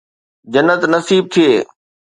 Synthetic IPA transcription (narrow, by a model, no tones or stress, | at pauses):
d͡ʑɐnːət̪nɐsiːb̚t̪ʰieː